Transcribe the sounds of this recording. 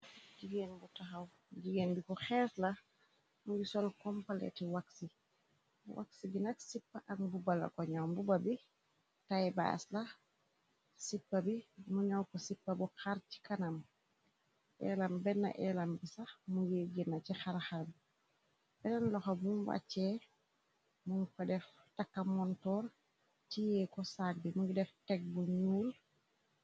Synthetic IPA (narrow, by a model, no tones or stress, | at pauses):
ɟiɡenbutaxaw | ɟiɡenbikɔxɛːsla | muɡisɔlkɔmpalɛ̰tiwaksi | wʔa̰ksiɡinatsipːaʔaŋbubala̰kɔɲawbubabi | tajba̰ːsla | sipːabimuɲawkɔsipːɐbuxaɾci̥kanam | ʔɛ̰lambɛnːa̰ʔɛlambisamujeɡinːat͡ʃixaɾxabi | b̥ɛnanlɔxobumwa̰t͡ʃɛ | muŋkadɛf | takːamɔntɔːɾ | cijɛːkɔsak̚bimuŋɡdɛftɛk̚buɲuːl